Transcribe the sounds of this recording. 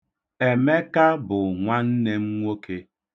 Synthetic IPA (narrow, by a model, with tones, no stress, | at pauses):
e˨me˦ka˦bʊ˨ŋʷa˦n̩˦ne˦m̩˦ŋʷo˦ke˦